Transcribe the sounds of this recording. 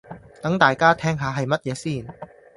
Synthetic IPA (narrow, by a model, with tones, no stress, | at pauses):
t̪ɐ˨˥ŋt̪aː˨˩jkaː˥t̪ʰɛː˥˩ŋɦaː˨˧˥ɦɐ˨˩jmɐ˥t̚jɛː˨˥siː˥˩n